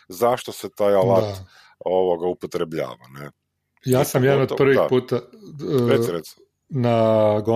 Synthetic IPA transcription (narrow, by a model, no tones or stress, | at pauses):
zaʃt̪oset̪ajalat̪ | oʋoɡaupot̪ɾebʎa̰ːʋa̰ne | jaːsamjadnod̪pr̩ʋipuːt̪a | eɾe | naɡo